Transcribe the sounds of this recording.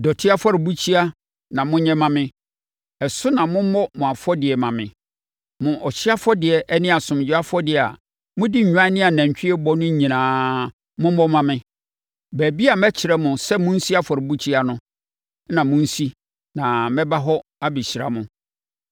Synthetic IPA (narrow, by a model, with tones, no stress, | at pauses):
dɔ˨tʰɪ˦a˦fɔ˦ɾɪ˨bu˦t͡ɕʰi˦a˦ | nã˨mʊ̃˦ɲɛ̃˦mã˨mɪ̃˦ | ɛ˨sʊ˦nã˨mʊ̃˦mɔ˦mʊ̃˨a˨fɔ˦dɪ˨ɛ˨mã˨mɪ̰̃˨ | mʊ̃˨ʔɔ˨ɕɪ˦a˦fɔ˦dɪ˨ɛ˨ʔɛ˦nɪ̃˦a˨sʊ̃˨m˨d͡ʑᶣɪ˦a˦fɔ˦dɪ˦˨a̰˨ | mʊ̃˦dɪ˦ɲ̩˨ɲᶣ˨ã˦nɪ̃˦a˨næ̃˨ɲ˨t͡ɕᶣɪ˦ɛ˦bɔ˦nʊ̃˦ɲ˨ɲĩ˨nãː˨ | mʊ̃˦m˦ɔ˦mã˨mɪ̃˦ | bæː˨bi˦a˨mɛ˦t͡ɕʰɪ˨ɾɛ˦mʊ̃˨sɛ˦mʊ̃˦n̩˦si˦a˦fɔ˨ɾɪ˨bu˦t͡ɕʰi˦a˨nʊ̃˦ | nã˨mʊ̃˦n̩˦si˦ | nã˨mɛ̃˦ba˦ɦɔ˦a˦bi˨ɕi˨ɾa̰˨mʊ̃˨